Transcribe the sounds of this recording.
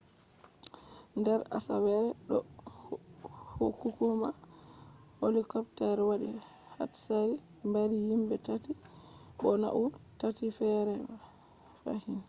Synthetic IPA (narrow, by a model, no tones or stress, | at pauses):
ndɛɾa̰sawɛɾɛɗɔ | hokːukuma | holikɔptɛɾwaɗḭ | ha̰tsaɾi | mbaɾihimbɛtati | ɓɔna̰ʔu | tatifɛɾɛm | fa̰hin